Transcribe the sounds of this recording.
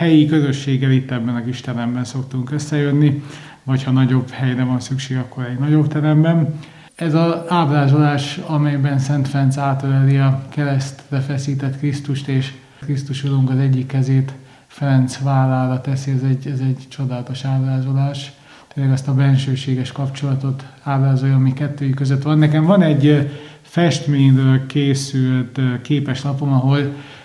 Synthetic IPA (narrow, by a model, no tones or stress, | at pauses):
hɛjikøzø̞ʃːeːɡːɛlit̪ːɛbːɛnɒziʃt̪ɛnɛmbɛnso̞kt̪uŋkøsːɛjønːi | vɒchɒnɒɟo̞bhɛjrɛvɒnsykʃeːɡɒkːo̞ɾɛɟnɒɟo̞bt̪ɛɾɛmbɛn | ɛzɒaːbraːzolaːʃɒmɛjbɛnsɛnt̪frɛnt̪saːt̪ølɛliɒkɛɾɛst̪rɛfɛsiːt̪ɛt̪krist̪uʃt̪eːʃ | krist̪uʃuɾuŋkɒzɛɟːikːɛzeːt̪ | frɛnt̪sʋaːlːaːɾɒt̪ɛsiɛzɛɟɛzɛɟt͡ʃo̞d̪aːlt̪o̞ʃaːbraːzo̞laːʃ | t̪eːnlɛɡɛst̪ɒbɛnʃøːʃeːɡɛʃkɒpt͡ʃo̞lɒt̪o̞t̪aːbraːzo̞jɒːmikɛt̪ːøːjikːøzøt̪ʋɒnːɛkɛɱvɒnɛɟ | fɛʃt̪meːɲrøːlkeːsylt̪keːpɛʃnɒpo̞nɒɦo̞l